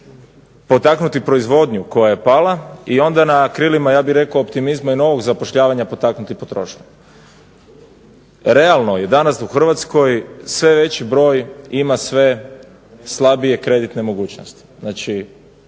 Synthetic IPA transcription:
po̞t̪aknut̪ipɾo̞izʋo̞d̪ɲuko̞jaje̞palaio̞nd̪anakɾilimajaːbiɾe̞koopt̪imizmaino̞ʋo̞ɡzapoʃʎaːʋaɲapo̞t̪aknut̪ipo̞t̪ɾo̞ʃɲa | ɾe̞alˠno̞je̞d̪anasuxr̩ʋat̪sko̞jsʋe̞ʋe̞t͡ɕibɾo̞ːjimasʋe̞ | slˠabije̞kɾe̞d̪it̪nemo̞ɡuːt͡ɕno̰st̪i̥znaːt͡ʃi

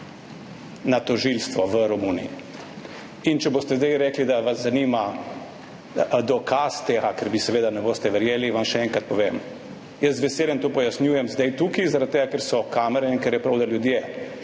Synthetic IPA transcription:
nat̪ɔʒilst̪ʋɔʋəɾɔmuːnḭi | int͡ʃɛboːst̪ɛzd̪ajɾɛːklid̪aʋazzanima | d̪ɔkʰast̪eːɡakɛɾbisɛʋeːd̪anɛboːst̪ɛʋɛɾjeːliʋamʃɛɛŋkɾat̪̚pɔʋem | jəszʋɛseːljɛmt̪oːpɔjasnʲjuːjɛmzd̪ajt̪uːkizaɾat̪̚t̪ːeːɡakɛɾsɔkaːmɛɾɛinkɛɾjɛpɾawd̪aljud̪je

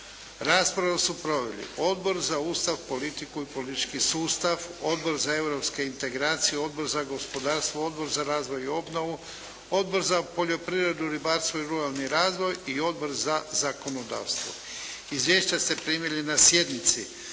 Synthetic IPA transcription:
ɾaːspɾaʋasupɾo̞ʋḛlḭo̞d̪bo̞ɾzauːst̪aʋpo̞lit̪ikuipo̞lit̪it͡ʃkisuːst̪aʋo̞d̪bo̞ɾzae̞vɾo̞pskeint̪e̞ɡɾaːt̪sijeo̞d̪̚bo̞ɾzaɡo̞spo̞d̪aːɾst̪ʋoo̞d̪bo̞ɾzaɾaːzʋo̞jio̞bnoʋu | o̞d̪bo̞ɾzapo̞ʎo̞pɾivɾe̞d̪uɾibaɾst̪ʋoiɾuɾalˠniɾaːzʋo̞jio̞d̪̚bo̞ɾzazako̞no̞d̪a̰ːʋst̪ʋo̰ | izʋjeːʃt͡ɕast̪e̞pɾimjelʲinasje̞d̪nit̪si

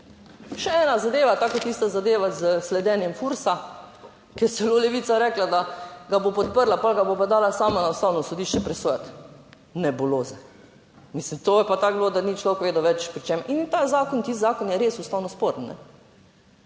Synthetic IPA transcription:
ʃɛɛːnazad̪eːʋat̪aːkot̪ist̪azad̪eːʋazəslɛd̪ɛːnjɛmfuɾsa | kijɛt̪sɛloːlɛʋiːt̪saɾɛklad̪aɡabopɔt̪̚pəɾlapɔlɡabopad̪aːlasaːmanaust̪awnɔsɔd̪iːʃt͡ʃɛpɾɛsoːjat̪ | nɛboloːzɛ | mislimt̪ojɛpat̪aːɡbloːd̪anit͡ʃloːkʋeːd̪oʋɛt͡ʃpɾit͡ʃemint̪azaːkɔnt̪ist̪zaːkɔnjɛɾeːsust̪aːwnɔspoɾənnɛ̰

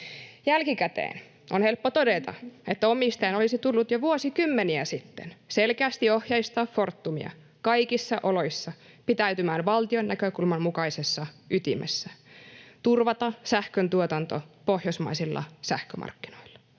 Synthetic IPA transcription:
jælkikæt̪ḛːn | ʔonhe̞lpːot̪odet̪ɑ̰et̪ːæomist̪ɑinolisit̪ulːut̪joʋuosikymːeniæsit̪ːenselkeæːst̪iohjɑist̪ɑːffort̪ːumḭɑ̰ | kɑikisːɑʔolo̞isːɑpit̪æyt̪ymæːnʋɑlt̪ionːækøkulmɑmmukɑisesːɑʔyt̪ḭmʔḛsːæt̪urʋɑt̪ɑsæhkønt̪uot̪ɑnt̪opohjosmɑ̰isilːɑ̰sæhkømɑ̰rkːinoilːɑ̥

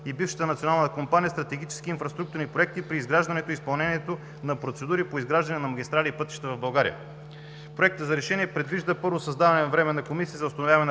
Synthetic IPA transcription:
ibifʃɐ̥t̪ənɐt̪sionalˠnt̪əkompanijəst̪ɾɐt̪ɛɡʲit͡ʃɛ̥skiːnfɾɐst̪ɾuk̚t̪uɾnipɾoɛk̚t̪ipɾiːzɡɾaʒd̪ɐnɛt̪oispɐlˠnɛniɛt̪o | nɐpɾot̪sɛd̪uɾipoizɡɾaʒd̪ɐnɛnɐmɐɡ̟ʲist̪ɾalʲiːpɤt̪i̥ʃt̪ɛvɐvbɐlˠɡaɾḭjə̰ | pɾoɛk̚t̪əzɐɾɛʃɛniɛpɾɛd̪viʒd̪əpɤɾvosɐzd̪avɐnɛnɐvɾɛmɛnɐkomisizɐʊst̪ɐnovʲjavɐnɛn

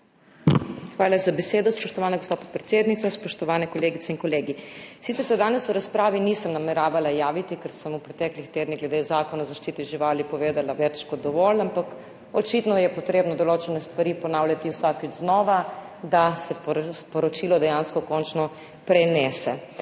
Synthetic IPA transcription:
xʋaːlazabɛseːd̪ɔspɔʃt̪ɔʋaːnaɡospaːt̪̚pot̪pɾɛt̪seːd̪nit̪saspɔʃt̪ɔʋaːnɛkɔleːɡit̪sɛinkɔleːɡisit̪ɛɾsɛd̪aːnɛsuɾaspɾaːʋinisəmnamɛɾaːʋalajaːʋit̪ikɛɾsəmupɾɛt̪ɛːklixt̪eːd̪niɡlɛd̪ezaːkɔnazaʃt͡ʃiːt̪iʒiʋalipɔʋeːd̪alaʋɛt͡ʃkɔt̪̚d̪ɔʋɔlampak | ɔt͡ʃit̪nɔjɛpɔt̪ɾeːbnɔd̪ɔloːt͡ʃɛnɛst̪ʋaɾipɔnaːwljat̪iwsakid͡ʒznɔːʋa | d̪asɛppɔɾɔt͡ʃiːlɔd̪ɛjanskɔkɔnt͡ʃnɔ | pɾɛnɛːsɛ

